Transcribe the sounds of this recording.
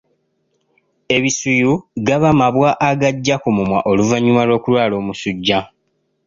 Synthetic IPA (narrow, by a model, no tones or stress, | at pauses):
e̞βisujuɡaβamaβwaʔːɡaɟːakomumwaʔo̞luvaɲːumalo̞ːkulwaːlo̞ːmusuɟːa